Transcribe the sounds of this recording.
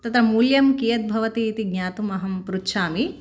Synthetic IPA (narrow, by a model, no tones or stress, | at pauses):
t̪ɐt̪ɐmuːljɐmkijɐt̪̚bʱɐʋɐt̪iːt̪iɡɲaːt̪umɐɦɐmpɾutːʃʰaːmi